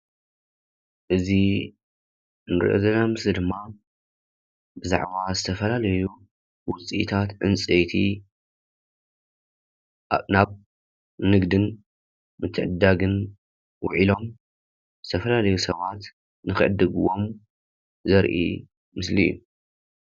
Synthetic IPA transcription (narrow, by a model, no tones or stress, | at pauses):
ʔɨzi | nɨɾʔo̰zɐnamɨslid̪ɨmːa | bɨza̰ʕβazɨt̪ʰɐfɐlalɐju | wʊt͡sʼiʔit̪ʰat̪ʕɨ̰nt͡sʼejt̪ʰi | naβ | nɨɡd̪ɨn | mɨt̪ʰːɨʕɨd̪aɡɨn | wʊʕilo̞m | zɨt̪ʰɐfɐlalɐjusɐβat̪ | nɨxɨʕɨ̰d̪ɨɡuwo̞m | zɐɾʔḭ | mɨslḭjːṵ